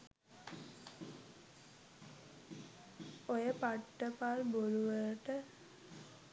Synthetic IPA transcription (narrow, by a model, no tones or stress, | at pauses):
ojəpaʈːəpaːlboluʋələʈə